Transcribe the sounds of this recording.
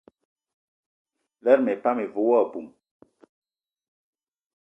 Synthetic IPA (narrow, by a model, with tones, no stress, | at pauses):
lɛ˦ɾmɛ˨pa˦me˨vo˦wɔ˦˨bu˨m